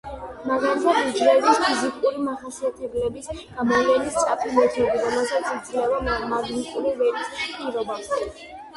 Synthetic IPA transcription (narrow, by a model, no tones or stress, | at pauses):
maɡalit̪ʰad̪id͡ʒlɛbispʰizikʼuɾimaχasiat̪ʰɛblɛbisɡ̥amɔvlɛnist̪ʼapʰilɛt̪ʰibiɾɔmɛlˠsat̪sʰid̪zlɛvamaɡnikʼuɾivɛɾkʼispʼiɾɔba